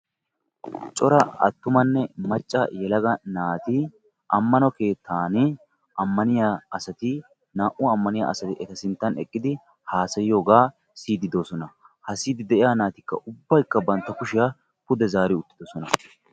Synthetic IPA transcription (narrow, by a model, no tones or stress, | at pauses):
t͡ʃʼɔɾɐɐ̰t̪ːʊmɐnːɛmɐt͡ʃʼːɐ̰jɛlɐɡɐnaːt̪ɪ | ʔɐmːɐnɔke̞ːt̪ʰːaːnɪ | ɐmːɐnɪjaɐsɐt̪ɪ | naːʔʊːmːɐnɪja̰ɐ̰sɐt̪ɪʔɛt̪ɐsɪnt̪ːɐnɛ̰kʼːɪd̪ɪ | haːsɐjɪjo̞ːɡaː | siːd̪ɪd̪oːsɔnɐ | hɐsiːd̪ɪd̪ɛʔɪjaːnaːt̪ɪkːɐ̰ʔʊbːɐjkːɐbɐnt̪ːɐkʊʃɪja | pʊd̪ɛzaːɾɪʊt̪ːɪd̪ɔsɔnɐ